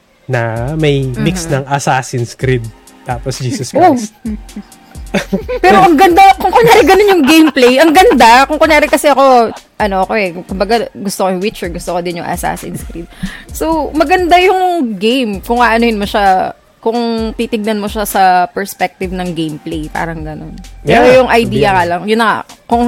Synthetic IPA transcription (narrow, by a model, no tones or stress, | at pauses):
nɐmɐjmiksnɐŋɐsaːsɪnskɾɪd̪̚ | t̪aːposd͡ʒiːsɐskos | pɛːɾoʔɐŋɡɐnd̪akʊŋkonaːɾɪɡɐnonjʊŋɡejmplejʔɐŋɡɐnd̪akʊŋkonaːɾɪkɐsɛʔɐko̞ʔɐno̞okoʔɛkʊmbɐɡaɡʊst̪okojʊŋwɪt͡ʃɛɡʊst̪okod̪ɪnjʊŋʔɐ̰sa̰ːsɪ̰nskɾit̪̚sowmɐɡɐnd̪ajʊŋɡejmkʊŋaʔɐnohɪnmoʃa | kʊŋt̪it̪ɪɡ̚nɐnmoʃasɐpɛɹspɛk̚t̪ɪvnɐŋɡejmplejpa̰ːɾɐŋɡɐnonpɛɾojʊŋʔɐjd̪iːjɐkɐlɐŋjʊnːɐŋa̰kʊŋ